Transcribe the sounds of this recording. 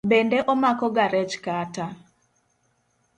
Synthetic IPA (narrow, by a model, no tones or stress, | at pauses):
bendeʔɔmakɔɡaɾɛt͡ʃkata